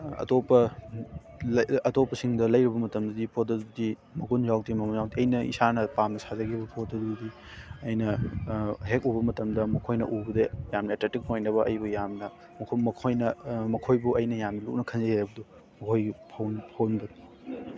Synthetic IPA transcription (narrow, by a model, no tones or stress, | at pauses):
ɐ̰topɐ | lɐtopːɐsiŋdɐlɐjɾibɐmɐtɐmdɐdipʰot̚dɐdudi | mɐɡunzawk̚dimɐɡunzawtiɐjnɐḭsanɐpamnɐsazɐkʰibɐpʰot̚dɐdudi | ɐjnɐ | ɦek̚ubɐmɐtɐmdɐmɐkʰojnɐ̰ʔubɐdɐjamnɐetletik̚mojnɐβɐʔɐjbujamnɐ | mɐkʰmɐkʰojnɐmɐkʰojbuɐjnɐjamnɐluk̚nɐkʰɐnzɐhajɐbɐdu | mɐkʰojipʰownpʰownbɐd